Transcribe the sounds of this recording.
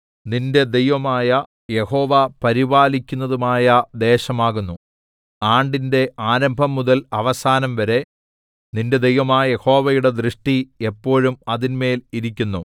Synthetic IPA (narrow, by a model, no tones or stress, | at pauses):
ninde̞d̪e̞jʋɐmaːjɐ | je̞ho̞ːʋapɐɾibaːlikʲːunːɐðumaːjɐd̪e̞ːɕɐmaːɣunːu | aːɳɖinde̞ʔaːɾɐmbʱɐmːuðɐlɐʋɐsaːnɐmʋɐɾe̞ | ninde̞d̪e̞jʋɐmaːjje̞ho̞ːʋɐjuɽe̞d̪rɨʂʈie̞pːo̞ːɻumɐðinme̞ːliɾikʲːunːu